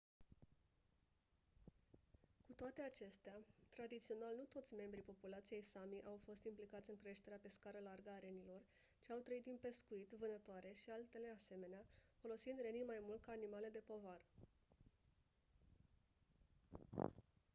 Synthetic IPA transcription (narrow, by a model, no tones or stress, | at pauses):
kut̪oat̪e̞at͡ʃe̞st̪eat̪ɾad̪it̪sio̞nalnut̪o̞t̪sʲme̞mbɾipo̞pulat̪sije̞jsamiʔawfo̞st̪implikat̪sʲɨŋkɾe̞ʃt̪e̞ɾeape̞skaɾəlarɡəaɾe̞nilo̞r | t͡ʃiawt̪ɾəit̪d̪inpe̞skuit̪vɨnət̪oaɾe̞ʃialt̪e̞le̞ase̞me̞neafo̞lo̞sind̪re̞nijmajmult̪̚kaːnimale̞d̪e̞po̞varə